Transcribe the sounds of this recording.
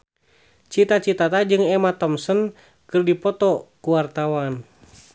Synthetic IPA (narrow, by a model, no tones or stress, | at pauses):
t͡ʃit̪at͡ʃit̪at̪ad͡ʒɨŋɛmat̪ɔmsən | kɨrdipɔt̪ɔkuwart̪awan